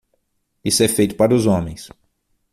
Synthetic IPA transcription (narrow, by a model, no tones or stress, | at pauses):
isʊɛfejt̪ʊ̥paɾʊzõmẽj̃s